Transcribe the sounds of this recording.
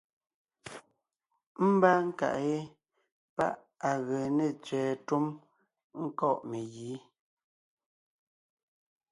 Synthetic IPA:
m̩˦ba˦ŋ̩˦ka̰˨ʔje˦ | pa̰˦ʔ | a˨ɣə˨ne˦˨t͡sɥɛː˨tu˦m | ŋ̩˦kɔ˦˨ʔme˨ɣiː˨˦

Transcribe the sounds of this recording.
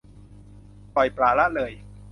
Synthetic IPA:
pɔ˨˩jpɾaː˨˩la˦˥ʔlɤː˧j

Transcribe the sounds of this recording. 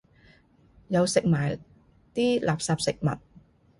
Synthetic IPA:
jɐ˨˧wsɪ˨k̚maː˨˩j | t̪iː˥laː˨p̚saː˧p̚sɪ˨k̚mɐ̰˨˩t̚

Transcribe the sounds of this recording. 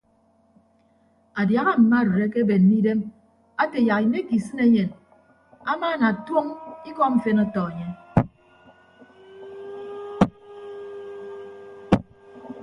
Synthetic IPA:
a˨dja˨ɣa˦m̩˨ma˦˨ɾe˨ɾe˦ke˦be˨n̩ː˨i˦de˦m | a˦te˨ja˨ɣi˨me˦ki˨sɨ˦ne˦ɲe˨n | a˦ma˦˨na˨two˦ŋi˦kɔ˦ɱ̩˨fe˦nɔ˦tɔ˨e˨ɲe˦

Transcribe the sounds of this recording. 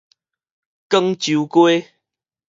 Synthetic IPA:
kə˦ŋt͡ɕu˨˦kwe˦

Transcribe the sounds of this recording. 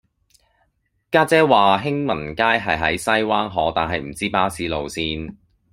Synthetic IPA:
kaː˥t͡sɛː˥waː˨ɦɪ˥ŋmɐ˨˩nkaː˥jɦɐ˨jɦɐ̰˨˥jsɐ˥jwaː˥nɦɔː˨˥t̪aː˨nɦɐ˨jm̩˨˩t͡siː˥paː˥siː˨˥lo˨wsiː˥n

